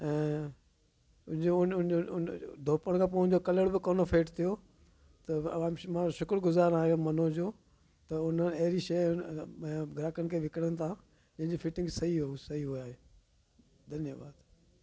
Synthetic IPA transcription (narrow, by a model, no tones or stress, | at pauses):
ɛ̃ː | ʊ̃d͡ʑoʊnʊn | d̪ʱoːpəɽ̃kʰãːpoːʊɪ̃d͡ʑokɐləɽbɪkoːnofʰeːʈt̪ʰijo | t̪ɐãːmãoʃʊkɾɡʊzaːɾaːmɐnod͡ʑoː | t̪ɐʊn̤ənɪɐɦɪɾiʃɐj | ɡʱɾaːkənɪ̆kʰeːʋɪkɽənɪ̆t̪ʰãː | d͡ʑɐ̃ɦɪ̃ɲd͡ʑofɪʈɪ̃ŋɡsɐɦiɦuusɐiɦuaːɦeː | d̪ʱɐnjəba̰ːd̪